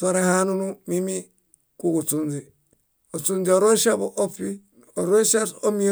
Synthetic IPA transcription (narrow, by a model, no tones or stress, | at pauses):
toɾehanunumimi | kukut͡sund͡ʒi | osund͡ʒioɾoʃaboʔofi | oɾosasomi